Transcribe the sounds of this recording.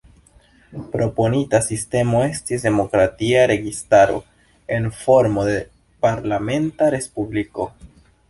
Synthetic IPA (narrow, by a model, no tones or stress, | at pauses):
pɾo̞po̞nitasiste̞mo̞e̞stisde̞mo̞kɾatiaɾe̞ɡistaɾo̞̰ | e̞nfo̞ɾmo̞de | paɾlame̞ntaɾe̞spubliko̞